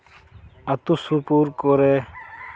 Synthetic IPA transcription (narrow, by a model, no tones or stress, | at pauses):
ɐt̪usupuɾkoɾe